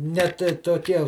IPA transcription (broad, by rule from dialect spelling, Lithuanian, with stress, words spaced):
nʲɛt toːˈkʲiɛ